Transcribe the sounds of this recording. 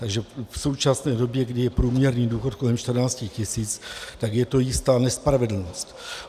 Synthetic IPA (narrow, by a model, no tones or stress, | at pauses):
t̪aɡʒɛfso̞wt͡ʃasnɛːdo̞bjɛɡdɪjɛpɾuːmɲɛɾniːduːxo̞t̪̚ko̞lɛmʃt̪r̩naːt͡scixcɪsiːt͡st̪aɡjɛt̪o̞jɪst̪aːnɛspɾavɛdl̩no̞st̪